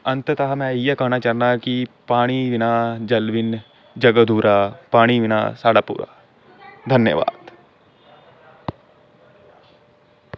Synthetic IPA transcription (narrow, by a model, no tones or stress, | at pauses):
ɐ̃nt̪ət̪ɐɦɐmɛ̃ijɐkɐɦnat͡ʃɐɾnakipaːɽ̃iʋɪnaːd͡ʒɐlʋɪn | d͡ʒɐɡəd̪ʱuːɾaːpaːɽ̃iʋɪna̰ːsaːɽapṵːɾa̰ː | d̪ʱɐnjə̰ʋa̰ːd̪